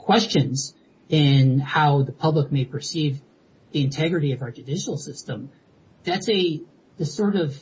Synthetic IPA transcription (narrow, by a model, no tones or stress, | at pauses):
kʰw̥ɛst͡ʃɨ̃nz | ɪ̃nhaʊðəpʰʌblək̚meɪpʰə˞siv | ðiɨ̃ntʰɛɡɹɨɾiʌvaʊ˞d͡ʒɨdɪʃl̩ˠsɪstə̃m | ðætsɨ | ðɨsɔɹɾʌv̥